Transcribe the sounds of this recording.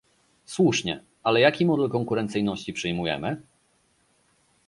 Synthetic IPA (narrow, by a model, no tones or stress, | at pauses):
swuʂɲɛ̰ | alɛjakʲimɔd̪ɛlkɔŋkuɾɛnt̪sɘjnɔɕt͡ɕipʂɘjmujɛ̰mɘ